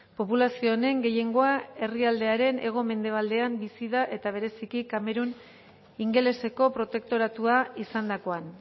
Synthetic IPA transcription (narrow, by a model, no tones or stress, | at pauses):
po̞pulasio̞ne̞ŋɡe̞je̞ŋɡo̞ae̞riald̪e̞aɾe̞ne̞̰ɣ̞o̞me̞nd̪e̞β̞ald̪e̞ambisiðaʔe̞t̪aβ̞e̞ɾe̞sikikame̞ɾun | iŋɡe̞le̞se̞ko̞pɾo̞t̪e̞k̚t̪o̞ɾat̪uaisand̪ako̞an